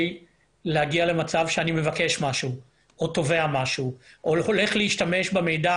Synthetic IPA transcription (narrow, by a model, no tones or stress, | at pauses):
lehaɡiale̞mat͡savʃeanime̞vake̞ʃmaʃu | ʔoto̞ve̞amaʃuʔolole̞χleiʃtame̞ʃbeme̞jda